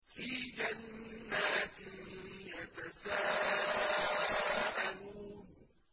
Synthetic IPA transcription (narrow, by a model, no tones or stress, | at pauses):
fiːd͡ʒanːaːt̪ɪnjat̪asaː | ʔaluːn